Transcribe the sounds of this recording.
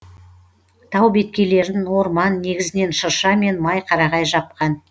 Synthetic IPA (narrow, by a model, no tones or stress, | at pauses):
t̪ʰɑwbe̞t̪̚kʲe̞le̞ɾɪŋwo̞ɾmɑnːe̞ɡʲɪzɪne̞nʃəɾʃɑme̞nmɑjqʰɑɾɑʁɑjʒɑp̚qɑn